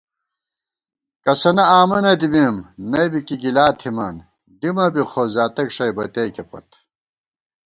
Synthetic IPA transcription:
kɐsɐnɐaːmɐnɐd̪ibimnɐjbikiɡilaːt̪ʰhima̰ːn | d̪imɐbixʰoːzaːt̪ɐkʂɐjbɐt̪eːkepɐ̰t̪

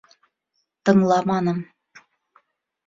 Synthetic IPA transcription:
t̪ɤ̆ŋlˠɑmɑnɤ̆m

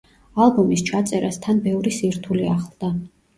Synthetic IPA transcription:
alˠbɔmist͡ʃʰat̪sʼɛɾast̪ʰanbɛvɾisiɾt̪ʰuliaχlˠd̪̥a

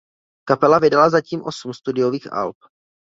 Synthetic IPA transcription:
kapɛlavɪdalazaciːmʔo̞sum̩st̪udɪoviːxʔa̰lp̚

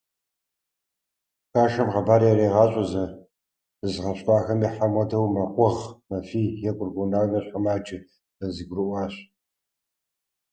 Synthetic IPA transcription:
xaːʃɐmʁɐbaːɾjɛreːʁɑːɕʷʼɐzɐ̥ | ɨzʁɐɕʼqʷʼɑːxɐmiːħamʷɐdʰɐwmɐqʷɔʁmɐfiːjɛkʷʼʊrɡʷunaːnɐɕħamaːd͡ʒʼɪ | z̥ɐziɡʷrɨʔʷɑːɕ

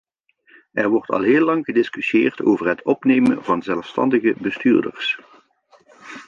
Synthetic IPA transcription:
ʔɛɹʋɔɹtɑ̰lˠɦɪːlːɑŋɣədɪskyseːrtoːvərɦətʰɔpnejmənvɑnzɛlˠfstɑ̰ndəɣəbəstyːɹdə̰rs

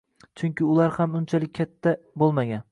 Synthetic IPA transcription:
t͡ʃʰʊŋkʲɪʊlaɾhamʊnt͡ʃʰalɪk̚ʲʰːat̪ʰːa | bolˠmaɡʲan

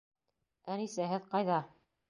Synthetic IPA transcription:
ænisæɦɘðqɑjðɑ

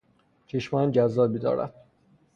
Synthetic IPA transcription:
t͡ʃʰeʃmænd͡ʒæzːɒːbiːd̪ɒ̰ːɾæ̰d̪̥̚

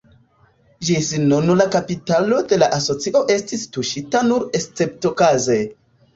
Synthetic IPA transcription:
ʒisinonulakapitalo̞de̞laʔaso̞t͡siʔo̞ʔe̞stistuʃitanuɾest͡se̞ptokaze

